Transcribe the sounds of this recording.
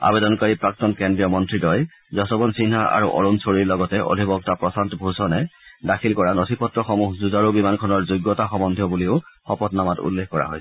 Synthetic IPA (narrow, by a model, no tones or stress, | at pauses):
a̰bedɔnkaɹipɹak̚tɔnkɛndɹijɔmɔntɹidɔj | zɔsɔbɔnsinɦaʔa̰ɹuʔɔ̰ɹunsoɹiɹlɔɡɔtɛʔo̰dʱibɔɡtapɹɔsantɔbʱusɔnɛdakʰilkɔɹanotʰipɔtɹɔxɔmuhzuzaɹobimankʰɔnɔɹzojɡːɔtaxɔmɔndʱjɔbuliʊxɔpɔtnamatṵlːexkɔɹa̰ɦoj